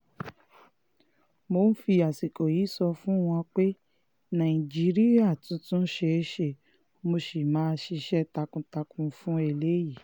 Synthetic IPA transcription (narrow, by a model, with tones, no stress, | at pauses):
mo˨˦n̩˦fi˧a˨si˨ko˨ji˨˦sɔ˧fũ˦w̃ɔ̃˧k͡pe˦ | nã˨ĩ˨d͡ʒi˦ɾi˦ja˦˨tũ˨˦tũ˦ʃe˧ʃe˨ | mo˧ʃi˨mãː˨˦ʃi˧ʃɛ˦ta˧kũ˧ta˧kũ˧fũ˦e˦˧˨le˦ji˦˨